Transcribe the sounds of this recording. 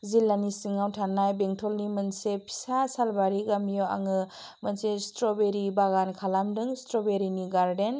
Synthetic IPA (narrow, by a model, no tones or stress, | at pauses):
zilanisiŋawtʰanajbeŋtʰɔlnimənsepʰi̥sasalbaɾiɡamijɔwa̰ŋɯ | mənsestɾɔbeɾibaɡankʰalamdɯŋstɾɔbeɾiniɡaɾden